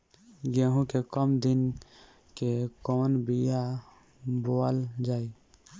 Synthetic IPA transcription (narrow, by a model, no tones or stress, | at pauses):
ɡẽːɦũkekəmd̪ɪn | kekoːnbija | boːəld͡ʒaːi